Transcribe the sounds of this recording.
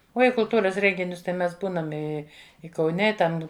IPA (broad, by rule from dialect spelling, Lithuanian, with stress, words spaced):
ˈuɔ ɪ kʊlˠˈtuːrɐs ˈrʲɛŋʲɡʲɪnʲʊs tɐɪ ˈmʲɛs ˈbuːnɐm ˈɪ ɪ kɐʊˈnʲɛ ɪ ˈtɐm